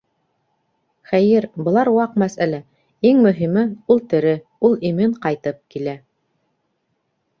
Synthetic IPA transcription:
χæjɘɾbɤ̆lˠɑɾwɑqmæsælæ | iŋmɵ̆ɦimɘulˠt̪ɘ̆ɾɘ | ulˠimɘɴqɑjt̪ɤp̚kilæ

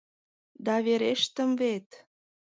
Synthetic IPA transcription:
d̪ɑβeɾeʃt̪ə̆mvet̪

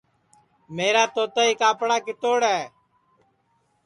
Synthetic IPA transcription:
meːɾaːt̪oːt̪aːiːkaːpɽaːkɪt̪oːɽɛː

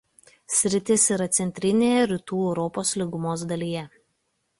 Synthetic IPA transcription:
sʲɾʲɪt̪ʲɪsiːɾɐt̪sʲɛnʲt̪ʲɾʲɪnʲeːjɛɾʲɪt̪uːɛʊɾɔpoːslʲɪɡʊmoːsd̪ɐlʲiːjɛ

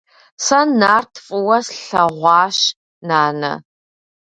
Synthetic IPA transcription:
sɐnaːrtʰfʼɨwɐsɬɐʁʷɑːɕ | naːnɐ̰

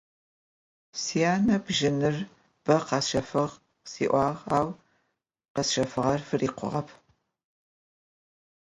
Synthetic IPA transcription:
sijaːnɐbʒɪnɨr | b̥ɐqɑsʃɐfɨʁ | sḭːʔʷɑːʁaːw | qɐsʃɐfɨʁɐrfɨriːqʷʊ̰ʁɐpʰ

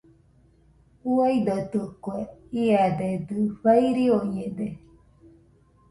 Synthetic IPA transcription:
uaid̪ot̪ɯkweiad̪ed̪ɯβaiɾioɲed̪e

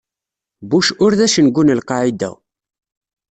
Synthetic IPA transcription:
buʃʊɾðæʃənɡʷunəlqɑʕid̪æ̰

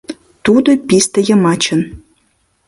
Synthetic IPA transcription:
t̪ud̪ɤ̆pʲist̪ə̆jɤ̆mɑt͡ɕɤ̆n

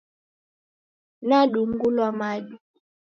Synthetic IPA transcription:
naɗuŋɡulamaɗu

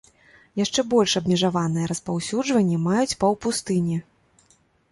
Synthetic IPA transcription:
jaʂt͡ʂɛbɔlʲʂɐbmʲɛʐavanɨjɛɾɐspawsʲud͡ʐvɐnʲːɛmajut͡sʲpɐwpust̪ɨnʲɛ

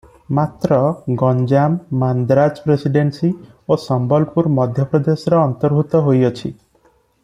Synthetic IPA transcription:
mat̪ɾɔɡɔnd͡ʒamːand̪ɾad͡ʒpɾesiɖensi | osɔmbɔlpuɾmɔd̪ʱjɔpɾɔd̪esɔɾɔːnt̪ɔɾbʱut̪ɔɦojɔt͡ʃʰi

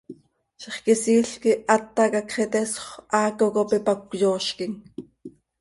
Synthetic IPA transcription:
ʃeχkisiːɬkiʔɑt̪ːɑkɑkχɛt̪ɛsχʔɑːkokopipakʷjoːʃkiŋ

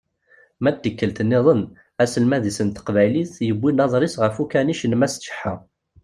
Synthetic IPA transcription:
mæd̪əkːəlt̪nːɪðˤən | æsəlmæðisənt̪ə̥qvæjliθjəbːinɑðˤɾˤisʁəfukæniʃənmæsʃə̥ħːa

